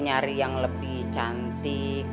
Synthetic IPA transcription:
ɲaɾijaŋləbiht͡ʃant̪i

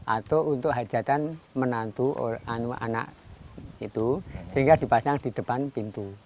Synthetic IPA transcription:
ʔa̰t̪ount̪ʊʔɦad̥d͡ʒʒ̥ä̤t̪anmənant̪uo̰ʔanua̰na̰ʔ | it̪usəiŋɡad̪i̤pasaŋd̪̥i̤d̪̥ə̤panpint̪u

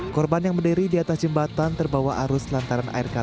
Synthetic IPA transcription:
kɔrbanjaŋməndəɾidiat̪asd͡ʒəmbat̪ant̪ərbawaʔaɾʊslant̪aɾana̰irka

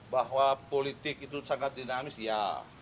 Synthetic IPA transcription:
baɦwapolit̪ɪkit̪usaŋat̪̚dinamɪsja̰

